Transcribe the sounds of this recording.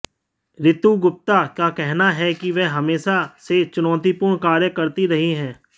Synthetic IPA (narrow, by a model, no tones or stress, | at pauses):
ɾɪt̪uɡʊp̚t̪akjakɛɦnaɦɛkiʋɛːɦɐmeːʃaset͡ʃʊnɔ̃ːt̪ipʊɾɳkaːɾjəkəɾt̪iɾɐɦiɦɛ̃ː